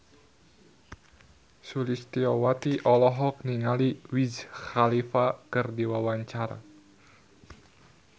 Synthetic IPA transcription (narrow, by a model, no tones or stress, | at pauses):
sulist̪iɔwat̪iʔɔlɔɦɔk̚niŋaliwizxalifakɨrdiwawaɲt͡ʃaɾa̰